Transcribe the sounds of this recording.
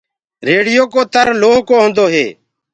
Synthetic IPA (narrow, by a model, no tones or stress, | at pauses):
ɾeːɽɪjoːkoːt̪əɾloːɦkoːɦõnd̪oːɦḛː